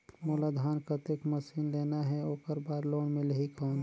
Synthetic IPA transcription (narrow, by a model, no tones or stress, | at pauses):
moːlad̪ʱaːnkət̪ekməsiːnleːnaɦɛoːkəɾbaːɾloːɳmẽləɦikɔːn